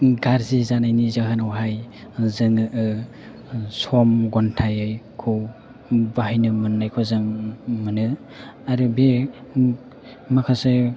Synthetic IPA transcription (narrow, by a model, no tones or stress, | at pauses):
ɡaɾzizanajnizakʰanawɦajzɯŋɯʔɯ | sɔmɡɔntʰajɯjkʰɔw | bahijnɯmɯnːajkʰɔzɯŋmɯnɯ | aɾɯbe | makʰasɯ